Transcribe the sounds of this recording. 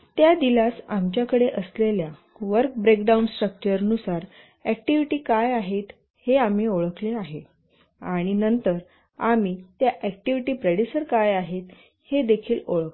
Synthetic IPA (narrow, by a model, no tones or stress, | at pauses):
t̪jad̪ilasamt͡ɕjakəɽeʔəslelja | ʋəɾk̚bɾekɖaunsʈɾək̚t͡ɕəɾnusaɾ | æk̚ʈiʋiʈiːkajaɦet̪ | heamiːoɭəkleaɦe | aɽ̃inənt̪əɾ | amit̪jaʔɛkʈiʋiʈiːpɾeɽisəɾkajaɦet̪ | hed̪ekʰiːloɭək